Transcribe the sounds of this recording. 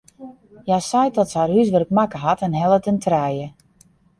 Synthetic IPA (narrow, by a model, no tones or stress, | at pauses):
jasajdɔtsarhysʋərkmakəɦatɛnɦɛlˠətəntʰrɛjə